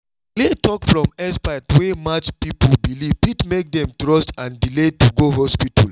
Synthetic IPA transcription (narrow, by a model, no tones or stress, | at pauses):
kletʰɔkfɹɔ̃mɛspaɪtwemat͡ʃpipulbilivpitmek̚dɛ̃mtɹɔstãndiletuɡoɦɔspitʰɔl